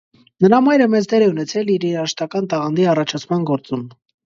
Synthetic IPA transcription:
nəɾɑmɑjɾəmɛzd̪ɛɾɛunɛt͡sʰɛliɾiɾɑʃt̪ɑkɑnt̪ɑʁɑnd̪iɑrɑt͡ʃʰɑt͡sʰmɑnɡɔɾt͡sum

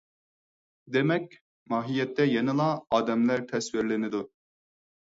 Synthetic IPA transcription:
d̪emɛk̚ʲ | mɑːɦijɛt̪ʰːɛjenɨlˠɑɑːd̪ɛmlæɾt̪ʰɛswɪɾlɪnɪd̪u

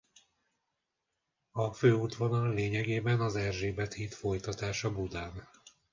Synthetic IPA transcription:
ɒføːut̪ʋo̞nɒlleːɲɛɡeːbɛnɒzɛrʒeːbɛt̪hiːt̪fo̞jt̪ɒt̪aːʃɒbud̪aːn

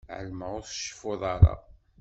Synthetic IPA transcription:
ʕə̰lməʁʊθʃə̥foðˤɑɾˤɑ̰

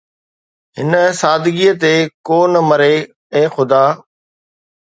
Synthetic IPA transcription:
ɦɪnəsaːd̪ʱɪɡiət̪ekoːnəmɐɾe | ẽːxʊd̪aː

